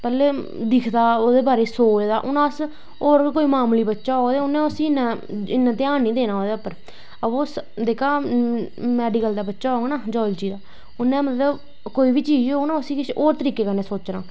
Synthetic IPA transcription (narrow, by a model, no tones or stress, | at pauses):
pɛːleː | d̪ɪkʰd̪aːoːd̪eːbaːɾeːsoːd͡ʒd̪aːʔʊnãːs | oːɾkoːiːmaːmliːbətːʃaːɦoːɡd̪eːʊnẽːəsĩːɪnːãːɪnːãːt̪ẽaːniːd̪eːnãːɦoːd̪eːəpːəɾ | əoːsd̪eːkʰaː | mɛːɖikəld̪aːbətːʃaːɦoːɡnaːd͡ʒɔːld͡ʒiːd̪aː | ʊnːẽːmət̪ləb | koːiːbiːt͡ʃiːd͡ʒioːɡnaːəsĩːkɪʃoːɾt̪əɾiːkeːkəɾneːsoːt͡ʃnãː